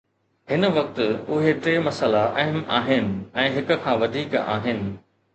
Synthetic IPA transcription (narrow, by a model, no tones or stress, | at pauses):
ɦɪnəʋɐk̚t̪ʊɦeʈɾeːmɐsəlaʔɛɦəmʔaːɦɪnɪ̆ɛ̃ːɦɪkʊ̆kʰãːʋɐd̪ʱiːka̰ːɦɪnɪ̆